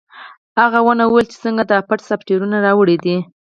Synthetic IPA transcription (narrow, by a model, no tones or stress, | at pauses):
haɣawənawuwelt͡ʃe̥səŋɡad̪əapaʈsapʈeɾunaɾɑwəɽed̪i